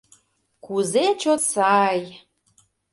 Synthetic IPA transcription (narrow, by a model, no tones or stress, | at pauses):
kuzet͡ɕot̪sɑj